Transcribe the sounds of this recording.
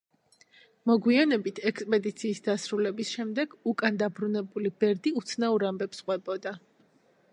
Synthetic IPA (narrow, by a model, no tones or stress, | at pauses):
mɔɡwianɛbit̪ʰɛkspʼɛd̪it̪sʰiːsd̪asɾulɛbisʃɛmd̪ɛɡ̥ukʼand̪abɾunɛbulibɛɾd̪iut̪sʰnauɾambɛpsqʼwɛbɔd̪a